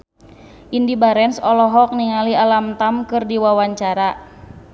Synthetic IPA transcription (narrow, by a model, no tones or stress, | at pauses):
ʔindibaɾɛnsɔlɔɦɔk̚niŋalialamt̪amkɨrdiwawaɲt͡ʃaɾa